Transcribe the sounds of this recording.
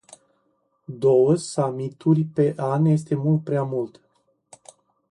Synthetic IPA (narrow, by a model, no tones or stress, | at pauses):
d̪o̞wəsamit̪urʲpe̞ʔanje̞s̬t̪e̞mult̪̚pɾeamult̪